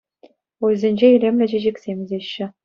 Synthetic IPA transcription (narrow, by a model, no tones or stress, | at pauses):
ojzʲenʲd͡ʑeilʲemʲlʲɘ̆ʑɘ̆ʑĕkʲsʲemʲɘ̆zʲeɕːɘ̆